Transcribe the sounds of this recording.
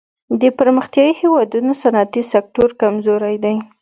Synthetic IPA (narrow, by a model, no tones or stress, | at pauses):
d̪əpəɾməxt̪jɑjihewɑd̪unosanaat̪isak̚ʈoɾkamzoɾajd̪aj